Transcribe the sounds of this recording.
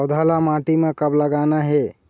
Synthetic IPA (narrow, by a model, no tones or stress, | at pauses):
d̪ʱalamaʈimekəbləɡanaɦe